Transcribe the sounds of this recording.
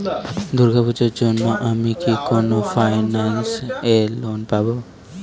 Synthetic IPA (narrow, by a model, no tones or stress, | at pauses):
d̪uɾɡʱabud͡ʒɔd͡ʒonmaʔamikikonofʰajnanselonpabo